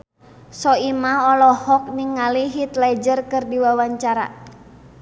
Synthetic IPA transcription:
sɔimaɔlɔhɔk̚niŋːaliɦit̪lad͡ʒərkɨrdiwawaɲt͡ʃaɾa̰

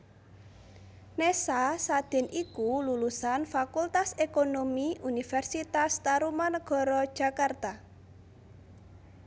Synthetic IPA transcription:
nesasad̪̥ɛ̤nikululusanfakult̪asekonomiʔunifɛrsit̪ast̪aɾumanəɡ̥ɔ̤ɾɔd̥ʒ̥a̤kart̪a

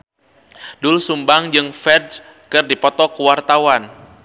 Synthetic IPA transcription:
dʊlsumbaŋd͡ʒɨŋfɛds | kɨrdipɔt̪ɔkuwart̪awan

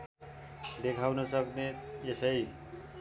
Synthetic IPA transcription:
d̪ekʰawnʌsʌknejesʌj

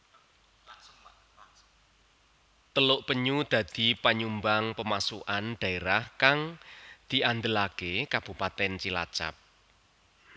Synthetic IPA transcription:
t̪əlʊʔpəɲud̪̥ä̤d̪̥i̤paɲumbaŋpəmasṵʔanɖ̪̥a̤eɾahkaŋd̪̥i̤ʔand̪əlakekab̥upat̪ɛnt͡ʃila̰t͡ʃa̰p̚

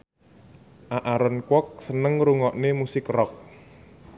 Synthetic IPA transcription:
ʔaʔaɾənkwɔk̚sənəŋɾuŋɔʔnemusɪkrɔk̚

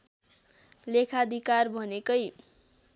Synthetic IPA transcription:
lekʰad̪ʱikarbʱʌnekʌj

